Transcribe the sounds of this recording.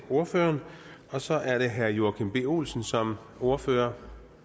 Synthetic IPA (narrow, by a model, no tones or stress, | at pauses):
o̝ɐføːɐnɒ̽sɒ̽ʔæɐɾe̝ɦæɐjo̝ɐkʰenb̥e̝ːo̝̰ːlsn̩sɒ̽m | o̝ɐføːɐ